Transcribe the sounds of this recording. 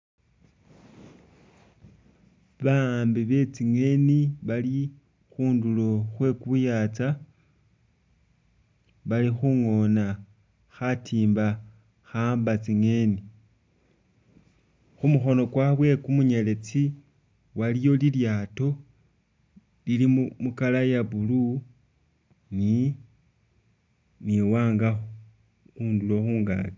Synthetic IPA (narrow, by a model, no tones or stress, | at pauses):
βambiβe̞t͡siŋe̞niβali | xuːndulo̞xwe̞kuβujat͡sa | βalixuŋo̞na | xatʰiːmba | xaːmbat͡siŋe̞ni | xumuxo̞no̞kwaβwe̞kumuɲele̞t͡si | walijo̞liljato̞ | lilimmukalajaβulu | ni | niwaːŋɡa | kuːnduloxuːŋɡa̰ːli